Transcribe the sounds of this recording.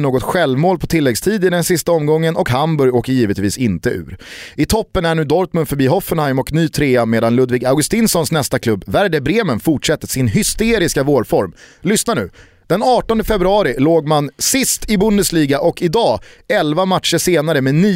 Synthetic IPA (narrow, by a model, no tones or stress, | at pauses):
noːɡɔt̪ɧɛlvmoːlpʰɔt̪ʰɪlːɛɡst̪ʰiːd̪ɪd̪ɛnsɪst̪aɔmɡɔŋːənɔkɦambɵɾjoːkəɾjiːvət̪viːsɪnt̪əʉ̟̰ːɾɪt̪ʰɔpːənæɳʉ̟ːd̪ɔɾt̪mɵnd̪fœɾbiːɦɔfːənhajmɔknyːt̪ʰɾeːameːd̪anlɵd̪viːɡaʊɡɵst̪iːnsɔnsnɛst̪akʰlɵbːvæɾɖəbɾeːmənfʊʈʂɛt̪ːəsɪnɦʏst̪eːɾɪskavoːɖfɔɾmlʏsnanʉ̟ː | d̪̥ɛnɑːʈɔnd̪əfɛbɾɵɑːɾɪloːɡmansɪst̪ʰɪbʊnd̪əsliːɡaʔɔkʰɪd̪ɑːɛlvamat̪ʂəʂeːnaɾəmenyː